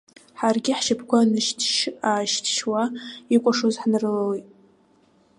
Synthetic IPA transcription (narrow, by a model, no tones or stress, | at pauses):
ħarɡʲɪħʃapʰkʷanɨʃtʰʃaːʃtʰʃwaikʷʼaʂozħnɨrɨlawitʼ